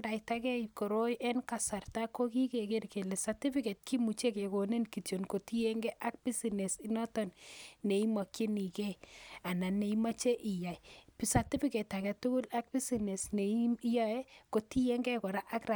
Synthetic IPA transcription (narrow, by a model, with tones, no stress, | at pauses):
da˨ita˦kɛ˦ko˨ɾo˦jʔɛ˦nka˨sa˨rta˦ko˦ki˦ke˨ke˦rke˨le˨sa˨ti˦fi˦ke˨t̚kʰi˦mu˨t͡ʃe˦ke˨ko˨ne˦nki˨to˨nko˨ti˦je˦ŋɡɛ˦ʔa˦k̚pi˦si˨ne˨si˦nɔ˦tɔ˨nne˨i˦mɔ˨kje˦ni˨ke˦a˨na˨ne˨i˦ma˦t͡ʃe˦ʔi˨ja˨jpisa˨ti˦fi˦ke˨tːa˨kɛ˨tu˦ku˦la˦k̚pi˦si˨ne˨sne˨i˦i˦jɔ˦e˦ko˨ti˦je˦ŋɡɛ˦kɔ˨ɾa˦ʔa˦kra˨